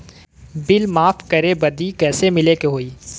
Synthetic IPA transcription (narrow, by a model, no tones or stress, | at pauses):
bɪlmaːfkɐɾebɐd̪ikɛːsemɪlekeɦoːiː